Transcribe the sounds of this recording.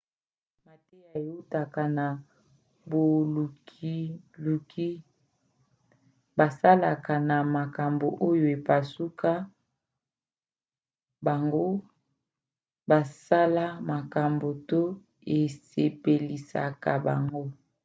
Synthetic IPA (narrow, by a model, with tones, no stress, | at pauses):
ma˨te˦a˨e˨u˦ta˨ka˨na˨ | bo˨u˨ki˦ | lu˨kʰi˦ | ba˨sa˦la˨ka˨na˨ma˨ka˨mbo˨ʔo˦jo˨e˨pa˨su˦kʰa˦ | ba˨ŋɡo˦ | ba˨sa˦la˦ma˨ka˨mbo˨to˦ | e˨se˨pe˨li˨sa̰˨ka˨ba̰˨ŋɡo˦